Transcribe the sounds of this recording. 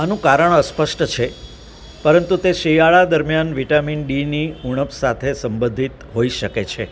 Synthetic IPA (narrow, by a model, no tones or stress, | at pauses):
anũkaɾəɳəspəʃʈət͡ʃʰe | pəɾənt̪ut̪eʃijaɭad̪əɾmjanʋiʈaminɖiniuɽ̃əpsat̪ʰesəmbə̃nd̪ʱit̪ɦoiʃəket͡ʃʰe